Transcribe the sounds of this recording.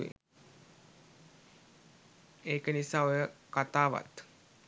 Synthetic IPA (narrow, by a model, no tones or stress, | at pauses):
ḭ | eːkənisaːojəkat̪aːʋa̰t̪